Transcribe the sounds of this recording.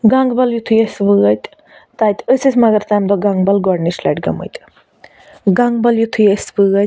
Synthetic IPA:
ɡɐŋɡbɐljut̪ʰujɐsʋɨɣɐt̪ʲ | t̪aːjt̪ʲəsʲɨsʲmɐɡɐɾt̪amd̪ɔɡɐŋɡbɐlɡɔɖnislɐ̰ʈɡɐ̰mə̰t̪ʲ | ɡɐŋɡbɐljut̪ʰujɐsʋɨɣɐt̪ʲ

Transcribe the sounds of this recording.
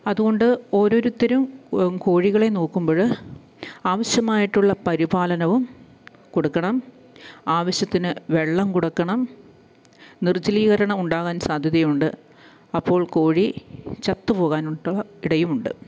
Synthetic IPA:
ɐðuɣo̞ɳɖɨo̞ːɾo̞ːɾut̪ːɐɾumko̞ːɻiɣɐɭe̞noːkːumboːɻɨ | aːʋɐɕjɐmaːjiʈːuɭːɐpɐɾibaːlɐnɐʋum | koɽukːɐɳɐm | aːʋɐɕjɐt̪ːinɨʋe̞ɭːɐmkuɽɐkːɐɳɐm | nirt͡ɕːɐliːɣɐɾɐɳɐmuɳɖaːɣaːnsaːd̪ʱjɐðɐjuɳɖɨ | ɐpːo̞ːɭko̞ːɻit͡ɕɐt̪ːɨpo̞ːɣaːnuɭɐiɽɐjumuɳɖɨ̰

